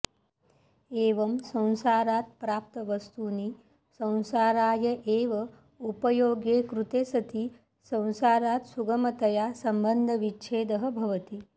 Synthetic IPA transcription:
eːʋɐmsɐ̃w̃saːɾaːt̪̚pɾaːp̚t̪ɐʋɐst̪uːniː | sɐ̃w̃saːɾaːjɐʔeːʋɐ | upɐjoːɡjeːkɾut̪eːsɐt̪iː | sɐ̃w̃saːɾaːt̪suɡɐmɐt̪ɐjaːsɐmbənd̪ʱɐʋitːt͡ʃʰeːd̪ɐɦɐbʱɐʋɐt̪i

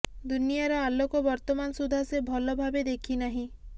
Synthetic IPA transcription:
d̪unijaɾɔalokɔbɔɾt̪ɔmanɔsud̪ʱasebʱɔlɔbʱabed̪ekʰinaɦĩ

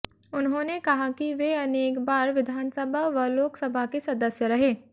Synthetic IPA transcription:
ʊnɦõːnekɐɦakiʋeɐneːkbaːɾʋɪd̪ʱaːnsəbʱaʋɐloːksɐbʱakesɐd̪əsjəɾɐɦeː

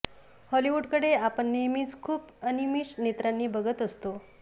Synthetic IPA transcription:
hɔliʋuɖkəɽeapəɳːimiːt͡skʰuːp | ənimiːʂnet̪ɾanːiːbəɡət̪əst̪o

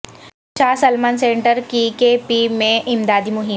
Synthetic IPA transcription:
t͡ʃaːsɐlmaːnsẽːɳʈəɾkikepimẽʔɪmd̪aːd̪imʊɦɪ

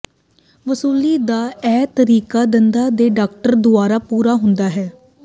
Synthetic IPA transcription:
ʋəsuːliːd̪aːɛːt̪əɾiːkaːd̪ənd̪aːd̪eːɖaːk̚ʈəɾd̪ʊaːɾaːpuːɾaːɦʊnd̪aːɦɛː

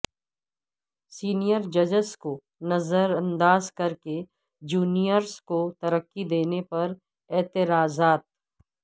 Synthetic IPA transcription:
siːnijəɾd͡ʒɐd͡ʒəsko | nɐzəɾɐ̃nd̪aːzkɐɾke | d͡ʒuːnijəɾskot̪ɐɾəkːid̪eːnepɐɾ | ɛːt̪ɪɾaːzaːt̪̚

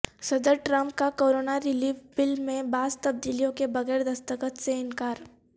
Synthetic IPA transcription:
sɐd̪əɾʈɾə̃mp̚kakoːɾoːnaɾɪliːfbɪlmẽbaːzt̪ɐb̚d̪iːlijõkebɐɣɛːɾd̪ɐst̪əkət̪seɪnkaːɾ

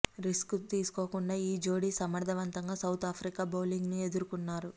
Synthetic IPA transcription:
ɾiskt̪iːsu̥ko̞ːkuɳɖaːiːd͡ʒo̞ːɽisɐmɐɽd̪ɐʋɐnt̪ɐŋɡaːsɐwt̪ʰaːpʰɾikaːboːliŋɡnie̞d̪uɾukunːaːɾu

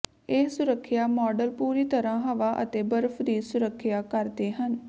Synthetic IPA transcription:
esʊɾəkʰːjaːmɔːɖəlpuːɾiːt̪əɾãːɦəʋaːʔə̰t̪eːbəɾpʰd̪iːsʊɾəkʰːjaːkəɾd̪eːɦən

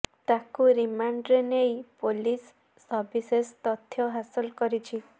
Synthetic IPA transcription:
t̪akuɾimaɳɖɾenejpolisː | ɔɾbisest̪ɔt̪ʰːjɔɦasɔlkɔɾit͡ʃʰi

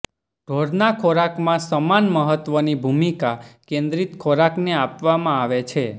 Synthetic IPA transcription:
ɖ̥ʱoɽnakʰoɾakmãsəmanməɦət̪ʋənibʱumikakẽnd̪ɾit̪kʰoɾakneapʋamãaʋet͡ʃʰe

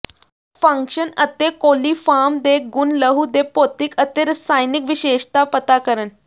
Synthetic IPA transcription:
fə̃ŋkɕənət̪ekolifamd̪ek̚ɡunləɦud̪epot̪ikət̪eɾəsajnikʋiɕeʂt̪apət̪akəɾən

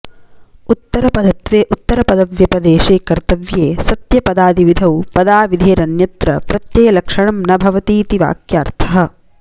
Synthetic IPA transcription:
ut̪ːɐɾɐpɐd̪ɐt̪ʋeːʔut̪ːɐɾɐpɐd̪ɐʋjɐpɐd̪eːʃeːkɐɾt̪ɐʋjeːsɐt̪jɐpɐd̪aːd̪iʋid̪ʱɐwpɐd̪aːʋid̪ʱeːɾɐnjɐt̪ɾɐpɾɐt̪jɐjɐlɐkʂɐɳɐmnɐbʱɐʋɐt̪iːt̪iʋa̰ːkjaːɾt̪ʰɐɦɐ̆

